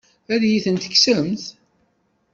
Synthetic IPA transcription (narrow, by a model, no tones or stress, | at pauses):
æðjiθənt̪ə̥ksəəmθ